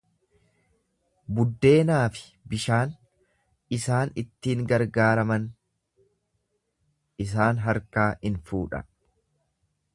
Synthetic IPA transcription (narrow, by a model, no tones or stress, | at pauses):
bʊd̪ːe̞ːnaːfɪ̥ | bɪʃaːn | ɪsaːnɪt̪ːiːŋɡɐɾɡaːɾɐmɐn | ɪs̬aːnɦɐɾkaːhɪnfuːᶑɐ̰